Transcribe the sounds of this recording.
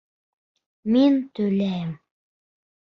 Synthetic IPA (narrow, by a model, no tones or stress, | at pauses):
mint̪ɵjlæjm